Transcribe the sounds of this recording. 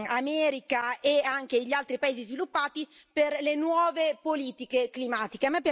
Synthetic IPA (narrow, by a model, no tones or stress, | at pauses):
amɛːɾikaeaŋk̟eʎialt̪ɾipaeːzizvilupːaːt̪iperlenwɔːvepoliːt̪ikeklimaːt̪ikeamɛpːj